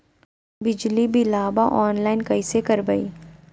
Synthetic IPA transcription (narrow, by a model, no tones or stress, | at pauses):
bɪd͡ʒlibʱilaːbaʔɔːnlaːɪnkɐisekɐɾbɐḭː